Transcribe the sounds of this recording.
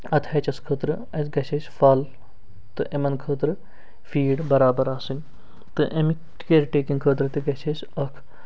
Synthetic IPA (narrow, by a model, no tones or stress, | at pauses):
ɐt̪ʰɐt͡ʃɐskʰəːt̪ɾɨ | ɐɡɐt͡ʃʰesfɐːl | t̪ɨʔemɐnkʰəːt̪ɾɨ | fiːɖbɐɾaːbɐɾaːsɨnʲ | t̪ɨʔɐmi | keɾʈeːkĩŋɡkʰəːt̪ɾɨt̪iɡɐt͡ʃʰesʲ | ɐkʰ